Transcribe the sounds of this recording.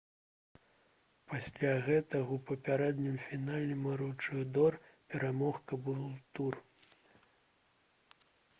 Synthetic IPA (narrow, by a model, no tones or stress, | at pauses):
pasʲlʲaɣɛt̪ɐɣɐwpɐpʲaɾɛd̪nʲimfʲinalʲnɨmɐɾuwt͡ʂɨɣd̪ɔrpʲɛɾamɔxkɐbɨlˠt̪ur